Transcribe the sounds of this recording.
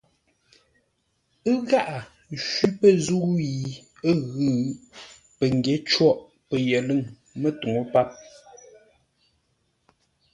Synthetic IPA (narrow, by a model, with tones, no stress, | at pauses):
ə˦ɣa˦˨ʔa˨ | ʃwi˦pə˦˨zu˦ji˨ | ə˦ɣʉ˦˨ | pə˨ŋ˨ɡje˨˦t͡ʃwɔ˦˨ʔ | pə˨jə˨lɨ˦˨ŋ | mə˦tu˨ŋo˦pa˦˨p̚